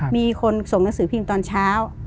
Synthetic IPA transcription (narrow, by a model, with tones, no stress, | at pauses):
miː˧kʰo˧nso˨˩˦ŋna˦˥ŋsɯː˨˩˦pʰi˧ŋt̪ɔː˧nt͡ɕʰaː˦˥w